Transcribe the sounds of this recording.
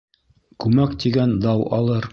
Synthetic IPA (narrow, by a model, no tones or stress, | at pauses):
kʉmækt̪iɡænd̪ɑwʔɑ̰lˠɤɾ